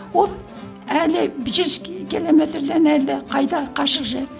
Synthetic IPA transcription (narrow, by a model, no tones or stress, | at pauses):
wolˠ | ælɪbɪʒʏzkʲilˠo̞me̞t̪ɾd̪enælɪqʰɑjd̪ɑqʰɑʃəqʒe